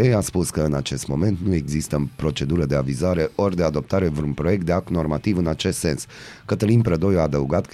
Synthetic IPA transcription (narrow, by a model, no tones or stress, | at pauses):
ejaspuskəɨnat͡ʃe̞st̪mo̞me̞nt̪nue̞ɡzist̪əpɾo̞t͡ʃe̞d̪uɾəd̪e̞avizaɾe̞ʔo̞rʲd̪ead̪o̞p̚t̪aɾevɾunpɾo̞je̞k̚t̪d̪eak̚t̪no̞rmat̪ivɨnat͡ʃe̞st̪se̞ns | kət̪əlinpɾəd̪o̞jaːd̪əuɡat̪k